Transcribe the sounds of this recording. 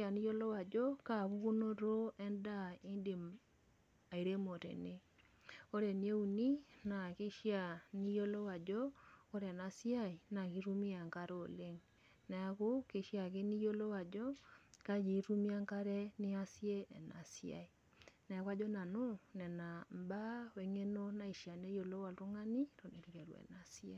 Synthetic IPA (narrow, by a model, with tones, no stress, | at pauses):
a˨ni˦jo˦lo˦wa˨d͡ʒɔ˦ka˦βuu˦no˦ɾo˦ɛ˦nda˦i˦nde˨ | a˨i˨ɾe˦mo˨tḛ˨ne˦ | o˦ɾe˨nie˦u˨ni˦na˨ke˦ʃja˨ni˦jo˦lo˦wa˨d͡ʒɔ˦o˦ɾɛ˨na˨sja˦i˨na˨ɣi˦ɾu˦mi˦a˨ŋka˦ɾoo˨le˦ŋ | na˨a˨ko˦ke˨ʃja˨ke˦ni˦jo˦lo˦wa˨d͡ʒɔ˦ka˦d͡ʒi˨˦ɾu˦mi˦a˦ŋka˦ɾɛ˦ne˦a˦sjɛ˦ɛ˨nasia̰˨i˨ | na˨a˦ka˦d͡ʒɔ˦na˨no˦nɛ˨na˨mba˦wɛ˨ŋe˦no˦na˦i˨ʃja˨ne˦jo˨lo˦wa˨to˦ŋa˦ni˦to˨ne˨ɾi˨kɛ˨ɾwɛ̰˨na˨sje˦